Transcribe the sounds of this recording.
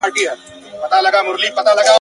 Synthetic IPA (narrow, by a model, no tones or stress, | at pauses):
aʈia | pət̪alaɡamʊɾliːpət̪alaɡa